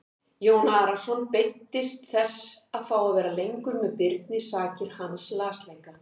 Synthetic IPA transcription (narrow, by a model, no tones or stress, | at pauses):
joːwnaːɾasɔnpejt̪ːɪst̪θɛsaðfaːwavɛːɾalejŋkʏmːɛðpɪɾt̪̚nɪsaːcɪɾ̥hanslaːslejka